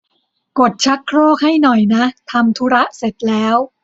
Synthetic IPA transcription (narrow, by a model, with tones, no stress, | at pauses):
ko˨˩t̪̚t͡ɕʰa˦˥kʰɾoː˥˩k̚ha˥˩jnɔ˨˩jna˦˥ʔt̪ʰa˧mt̪ʰu˦˥ɾa˦˥ʔse˨˩t̪̚lɛː˦˥w